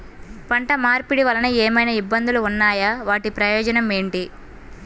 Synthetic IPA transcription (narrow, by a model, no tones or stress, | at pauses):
pɐɳʈɐmaːɾpiɽiʋɐlɐnieːmɐjnɐibːɐnd̪uluunːaːjɐʋaːʈipɾɐjɔːd͡ʒɐnɐme̞ːɳʈi